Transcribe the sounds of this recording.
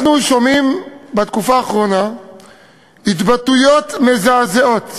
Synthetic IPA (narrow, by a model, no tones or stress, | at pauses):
nuʃo̞mimbat̪kufaːχʁo̞na | it̪batujo̞t̪mezazeo̞t̪